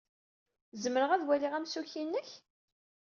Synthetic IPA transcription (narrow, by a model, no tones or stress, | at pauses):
zəməɾəʁæðwæliʁæmsuçinːəç